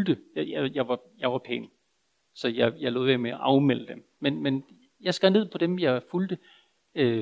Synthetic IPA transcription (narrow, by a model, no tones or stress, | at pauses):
ld̥əjɑjajɑ̈ɪʋɑ̈jɑ̈ɪʋɑ̈pʰɛ̰ːn | sɒ̽jɑɪjɑ̈ɪlo̰ːðˠʋemeæʔɑ̈ʊmel̰əd̥em | menmen | jɑ̈ɪsɡ̥æne̝ð̞̰ˠpʰɒ̽d̥emjɑ̈ɪfuld̥ə | ø